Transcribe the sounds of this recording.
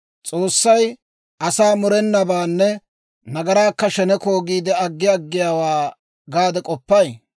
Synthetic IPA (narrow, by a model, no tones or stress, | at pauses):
t͡sʼoːsːɐj | ʔɐsaːmʊɾɛnːɐbaːnːɛ | nɐɡɐɾaːkːɐʃɛnɛkoːɡiːd̪ɛɐɡːɪɐɡːɪjaːwaː | ɡaːd̪ɛkʼɔpːɐj